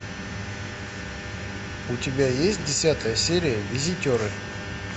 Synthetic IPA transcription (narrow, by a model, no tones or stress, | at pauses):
ʊtʲɪbʲajesʲt̚ʲdʲɪsʲat̪əjəsʲeɾʲɪjəvʲɪzʲɪtʲoɾɨ